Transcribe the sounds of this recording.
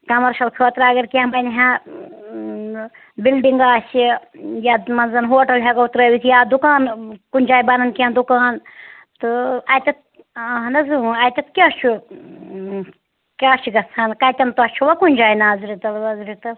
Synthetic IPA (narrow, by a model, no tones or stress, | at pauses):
kɐmɐɾʃɐlkʰəːt̪ɾaːɡɐɾkʲãbɐnɦã | bilɖiŋɡaːsijamɐnzɐnɦoːʈɐlɦeɡɐut̪ɾəːʋit̪ʰijaːd̪ukaːnkunʲd͡ʒaːjbɐnɐnkʲãːnd̪ukaːn | t̪ɨɐjt̪ɐt̪̚ː | ɦɐnɐzuɐjt̪ʲɐt̪̚kʲaːt͡ʃʰu | kʲaːt͡ʃʰiɡɐt͡sʰɐnkɐjt̪ʲɐnt̪uɐt͡ʃʰuʋɐkunʲd͡ʒaːjnaːzɾit̪ɐlʋɐzɾit̪ɐl